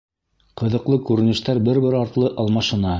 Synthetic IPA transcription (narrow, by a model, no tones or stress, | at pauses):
qɤ̆ðɤ̆qlˠɤkʉɾɘ̆nɘ̆ʃt̪æɾbɘɾbɘɾɑɾt̪lˠɤʔɑlˠmɑʃɤ̆nɑ